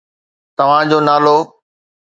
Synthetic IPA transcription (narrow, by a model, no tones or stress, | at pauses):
t̪ɐʋ̤ãd͡ʑoːnaːloː